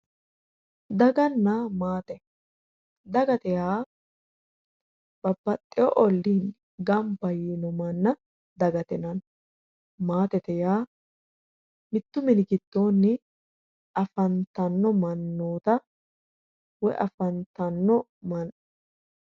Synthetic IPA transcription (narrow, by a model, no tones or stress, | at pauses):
d̪ɐɡɐnːamaːt̪ɛ | d̪ɐɡɐt̪ɛjaː | b̥ɐbːɐt̪ʼːɪjɔʔɔlːiːn | ɡɐmbɐjiːnɔmɐnːɐ | d̪ɐɡɐt̪ɛnɐn | maːt̪ɛt̪ɛjaː | mɪt̪ːʊmɪnɪkɪt̪ːoːnːɪ | ʔɐfɐnt̪ɐnːɔmɐnːoːt̪ɐ | wɔʔɐ̰fɐnt̪ɐnːɔmɐn